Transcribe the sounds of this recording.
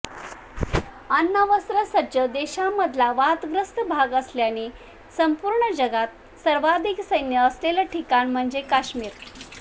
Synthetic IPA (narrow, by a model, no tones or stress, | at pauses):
ənːəʋəsɾəsəd͡ʑəd̪eɕamːəd̪ʱlaʋat̪ɡɾəst̪əbʱaɡəsljani | səmpuɾɳəd͡ʑəɡat̪̚ | səɾʋad̪ʱiksəjnjəːslelaʈʰikanm̤əɳd͡zekaɕmiːɾ